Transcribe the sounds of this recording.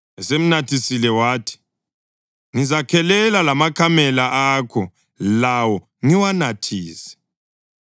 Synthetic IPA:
ɛsem̩natʰisilɛwaːtʰi̥ | ŋizakʰɛlɛlalamakʰamɛlaʔakʰɔ | lawɔ | ŋiwanatʰiːsɛ̥

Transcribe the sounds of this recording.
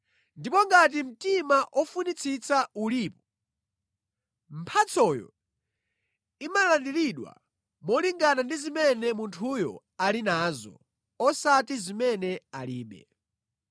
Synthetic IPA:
ndipɔŋɡatim̩timaʔɔfunit͡sʰit͡sauliːpɔ̥ | m̩pʰat͡sʰɔjɔ̰ | imalandiliɗwa̰ | mɔliŋɡanandizimɛnɛmuntʰujɔ̰ | alinaːzɔ̰ | ɔsatizimɛnɛaliːɓɛ̰

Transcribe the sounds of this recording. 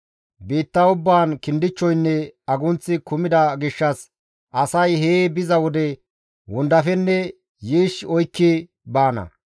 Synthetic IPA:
biːt̪ːɐʊbːaːnkɪnd̪ɪt͡ʃːɔjnːɛɐɡʊnt͡sːɪkʊmɪd̪ɐɡɪʃːɐs | ʔɐsɐjheːbɪzɐwɔd̪ɛ | wʊnd̪ɐfɛnːɛ | jiːʃɔjkːɪ | baːnɐ̰

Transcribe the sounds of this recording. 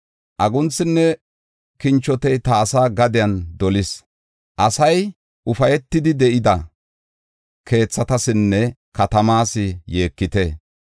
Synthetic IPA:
ʔɐɡʊnt͡sːɪnːɛ | kɪnt͡ʃːɔt̪ɛjt̪ɐːsaːɡɐd̪ɪjɐnd̪ɔlɪs | ʔɐsɐj | ʔʊfɐjɛt̪ːɪd̪ɪd̪ɛʔɪd̪ɐ | kʰe̞ːt͡sːɐt̪ɐsɪnːɛkɐt̪ɐmaːsɪje̞ːkːɪt̪e

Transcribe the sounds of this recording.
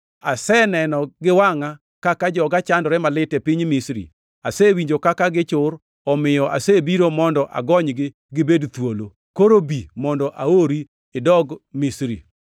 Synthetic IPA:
asɛnɛnɔɡɪwaŋa | kakad͡ʒɔɡat͡ʃandɔɾɛmalɪtɛpiɲmisɾḭ | asewiɲd͡ʒokakaɡɪt͡ʃʊɾ | ɔmɪjɔʔasebiɾomɔndɔʔa̰ɡɔɲɡɪ | ɡɪbedt̪wolo | koɾobimɔndɔʔaoɾi | ɪdɔɡmisɾi

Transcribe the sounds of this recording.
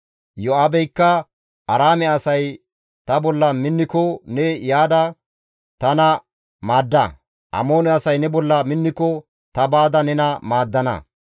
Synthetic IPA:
jɔaːbɛjkːɐ | ɐɾaːmɛɐsɐj | t̪ɐbɔlːɐmɪnːɪkɔnɛjaːd̪ɐ | t̪ɐnɐ | maːd̪ːɐ̰ | ʔɐ̰mo̞ːnɛɐsɐjnɛbɔlːɐmɪnːɪkɔ | t̪ɐbaːd̪ɐnɛnɐmaːd̪ːɐnɐ̰

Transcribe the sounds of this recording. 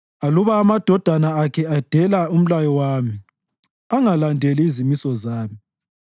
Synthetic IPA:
aluβaːmad̥ʱɔd̥ʱanaːkʰɛad̥ʱɛlaum̩lajɔwami | aŋalandʱɛliizimisɔzaːmi

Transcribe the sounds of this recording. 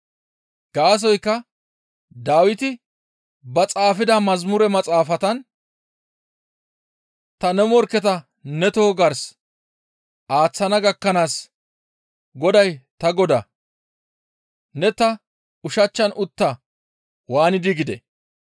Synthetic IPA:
ɡ̥aːs̬ɔjkːɐ | d̪aːwɪt̪ɪ | bɐt͡sʼaːfɪd̪ɐmɐzmʊɾɛmɐt͡sʼaːfɐt̪ɐn | t̪ɐnɛmɔɾkːɛt̪ɐ | nɛt̪oːɡɐɾs | ʔaːt͡sːɐnɐɡɐkːɐnaːs | ɡɔd̪ɐjt̪ɐɡɔd̪ɐ | nɛt̪ɐ | ʊʃɐt͡ʃːɐnʔʊt̪ːɐ | waːnɪd̪ɪɡɪd̪ɛ̰

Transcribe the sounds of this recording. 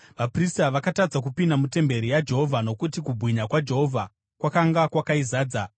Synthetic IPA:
ʋapristaʋakatad͡zak̬upindamute̞mbe̞ɾijad͡ʒe̞ɦo̞vʱano̞kutikubʱwiɲakwad͡ʒe̞ɦo̞vʱa | kwakaŋɡakwakaizaːd͡za

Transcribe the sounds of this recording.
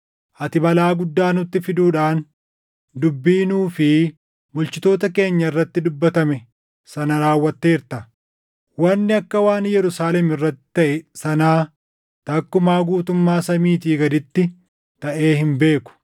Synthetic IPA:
ʔɐt̪ɪbɐlaːɡʊd̪ːaːnʊt̪ːɪfɪd̪uːᶑaːn | d̪ʊbːiːnuːfɪ | mʊlt͡ʃɪt̪o̞ːt̪ɐke̞ːɲːɐɪrːɐt̪ːɪd̪ʊbːɐt̪ɐmɛ | sɐnɐɾaːwːɐt̪ːeːɪɾt̪ɐ | wɐnːɪɐkːɐwaːnjɛɾʊsaːlɛmɪrːɐt̪ːɪ̥t̪ɐʔɛsɐnaː | t̪ɐkːʊmaːɡuːt̪ʊmːaːsɐmiːt̪̬iːɡɐd̪ɪt̪ːɪ | t̪ɐʔe̞ːhɪmbe̞ːkʊ̥

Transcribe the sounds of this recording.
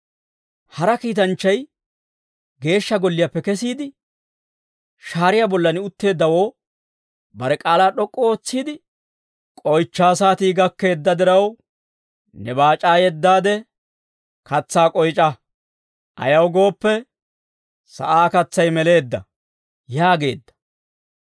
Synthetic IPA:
hɐɾɐkiːt̪̬ɐnt͡ʃːɐj | ɡe̞ːʃːɐɡɔlːɪjɐpːɛkɛsiːd̪ɪ | ʃaːɾɪjabɔlːɐnɪʊt̪ːe̞ːd̪ːɐwo̞ː | bɐɾɛkʼaːlaːɗɔkʼːɔoːt͡sːiːd̪ɪ | kʼɔjt͡ʃːaːsaːt̪iːɡɐkːe̞ːd̪ːɐd̪ɪɾɐw | nɛbaːt͡ʃʼaːjɛd̪ːaːd̪ɛ | kɐt͡sːaːkʼɔjt͡ʃʼɐ | ʔɐ̰jɐwɡo̞ːpːɛ | sɐ̰ʔaːkɐt͡sːɐjmɛle̞ːd̪ːɐ̰ | jaːɡe̞ːd̪ːɐ̥

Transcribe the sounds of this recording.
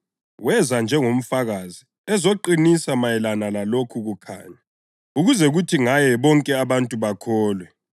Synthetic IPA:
wɛzand͡ʒʱɛŋom̩faɣaːzi | ɛzoǃinisamajɛlanalalokʰuɣukʰa̰ːɲa | uɣuzɛɣutʰiŋajɛβɔŋkʼɛaβantʼuβakʰɔːlwɛ

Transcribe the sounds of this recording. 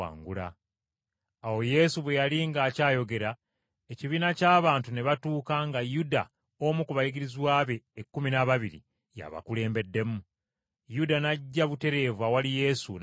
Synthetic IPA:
a̰ːŋɡula̰ | wo̞je̞suβwe̞jaliŋɡaːcaːjo̞ɡe̞ɾa | eciβiːnacaːβaːntune̞βatuːkaŋɡajuda | omukuβajiɡiɾizwaːβe̞ːkːuminaβaβiɾḭ | ja̰βa̰kule̞ːmbe̞dːe̞mu | judanaɟːaβute̞ɾe̞vwawalije̞ːsṵn

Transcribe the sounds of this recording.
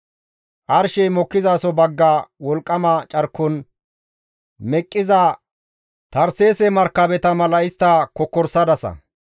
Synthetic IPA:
ʔɐɾʃɛjmɔkːɪzaːsɔbɐɡːawɔlkʼːɐmɐt͡ʃʼɐɾkːɔn | mɛkʼːɪzɐ | t̪ɐɾse̞ːsɛmɐɾkːɐbɛt̪ɐmɐlɐɪst̪ːɐkɔkːɔɾsɐd̪ɐsɐ̰

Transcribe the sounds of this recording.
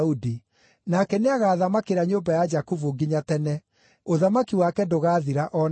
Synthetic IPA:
udi | nakɛneaɣaːðamakeɾaɲombajad͡ʒakuvuɡiɲatɛnɛ | oðamakiwakɛdoɣaːðiɾaʔɔn

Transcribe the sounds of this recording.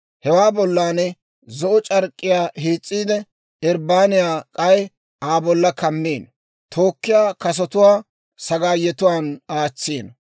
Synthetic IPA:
hɛwaːbɔlːaːnɛ | zɔʔɔt͡ʃʼɐɾkʼːɪjaːheːt͡sʼːiːd̪ɛ | ɛɾbaːnɪjaːkʼɐj | aːbɔlːɐkɐmːeːn | t̪ʰo̞ːkːɪjaːkɐs̬ɔt̪ʊwaː | sɐɡaːjːɛt̪ʊwaːnaːt͡sːeːn

